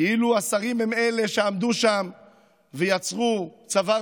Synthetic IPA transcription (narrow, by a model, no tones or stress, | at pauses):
eiluasaʁimeme̞le̞ʃeamd̪uʃam | vejat͡sʁut͡sava